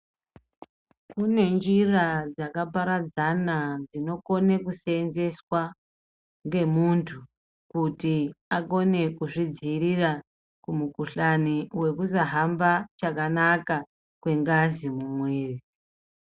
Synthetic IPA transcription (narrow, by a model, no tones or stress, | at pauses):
kune̞nd͡ʒirad͡zakapaɾad͡zanad͡zino̞ko̞ne̞kusenze̞swa | ŋɡe̞muntʰu | kutiako̞ne̞kuʐid͡zirira | kumukuɬaniwe̞kusaɦambat͡ʃakanaka | kwe̞ŋɡazimumweːri